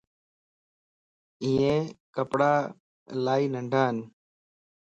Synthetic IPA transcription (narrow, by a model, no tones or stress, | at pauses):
ĩːẽːkəpɽaː | laːiːnəɳɖʱaːɦən